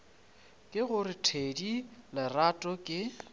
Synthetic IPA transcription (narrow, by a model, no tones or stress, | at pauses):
kʼɪɣʊɾɪtʰedilɪratʼɔkʼɪ